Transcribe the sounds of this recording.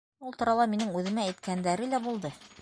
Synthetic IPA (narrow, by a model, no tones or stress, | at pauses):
ulˠt̪ŏɾɑlˠɑminɘŋʉðɘ̆mæːjt̪kænd̪æɾɘlæbulˠd̪ɤ